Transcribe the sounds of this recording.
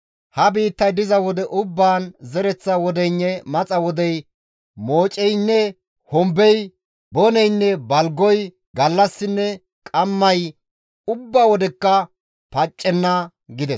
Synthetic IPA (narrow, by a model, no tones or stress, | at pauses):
hɐbiːt̪ːɐjd̪ɪzɐwɔd̪ɛʔʊbːaːnzɛɾɛt͡sːɐwɔd̪ɛjnːɛmɐt͡sʼɐwɔd̪ɛj | moːt͡ʃʼɛjnːɛ | hɔmbɛj | bɔnɛjnːɛbɐlɡɔj | ɡɐlːɐsːɪnːɛ | kʼɐmːɐj | ʊbːawɔd̪ɛkːɐ | pɐt͡ʃʼːɛnːɐ | ɡɪd̪ɛs